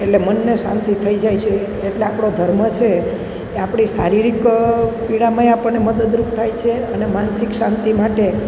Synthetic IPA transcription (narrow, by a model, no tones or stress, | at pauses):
eʈlemənːeʃã̰nt̪it̪ʰəid͡ʒajt͡ʃʰeː | ʈleapɽ̃od̪ʱəɾmət͡ʃʰe | apɽ̃isaɾiɾikpiɽamaeapəɳneməd̪əd̪ɾup̚t̪ʰajt͡ʃʰeənemansikʃãnt̪imaʈe